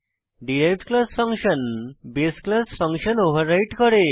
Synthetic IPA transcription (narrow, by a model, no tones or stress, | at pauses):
ɖieʈklasfə̃ŋkɕənbesklasfəŋkɕənoʋ̤əɾːaiʈkəɾe